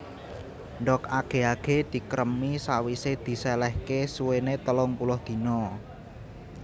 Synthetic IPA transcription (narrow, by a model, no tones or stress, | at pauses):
ɳɖɔk̚aɡ̥e̤aɡ̥e̤d̪̥i̤kəɾəmisawised̪̥i̤sɛlɛhkesuwenet̪əlɔŋpulɔhd̪̥i̤nɔ